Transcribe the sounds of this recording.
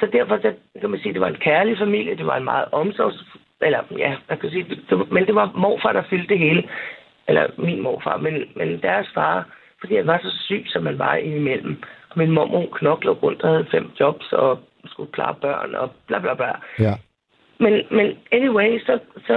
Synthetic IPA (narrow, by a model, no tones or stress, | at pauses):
sɒ̽d̥æɐ̰fɒsɑ | kʰæmænsiːd̥e̝ʋɑ̈e̝nkʰæɐlifæmil̰jəd̥e̝ʋɑ̈e̝nmɑ̈ːð̞̩ˠʔɒ̽msɒs | ʔelɐjæmænkʰæs̬iːd̥d̥e̝mend̥e̝ʋɑ̈mɒ̰ːfɑ̈ːd̥ɑ̈fyld̥eɦe̝ːlə | elɐ̰minmɒ̰ːfɑ̰̈ːmenmend̥æɐsfɑ̰̈ː | fɒd̥ḭːhænʋɑ̈sɒ̽sy̰̥ːsɒ̽mhænʋɑ̈inimel̰m̩ʔɒ̽minmɒmokʰnɒ̽ɡ̥lɔ̰ːɡ̥ʁɔ̽n̰d̥ɒhæð̞̩ˠfem̰d̥jɒ̽b̥sɒ̰̽ | sɡ̥ukʰlɑ̰̈ːb̥ɶ̰ɐ̰nɒ̰b̥lɑblɑ̈b̥lɑ | menmeneniweɪsɒ̽sɒ